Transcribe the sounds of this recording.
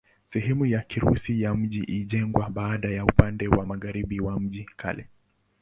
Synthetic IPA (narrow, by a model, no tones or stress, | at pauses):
sɛɦɛmujakiɾṵsijam̩ʄiʔiʄɛŋɡwaɓaːɗajaupandɛwamaɣaɾiɓiwam̩ʄikʰa̰lɛ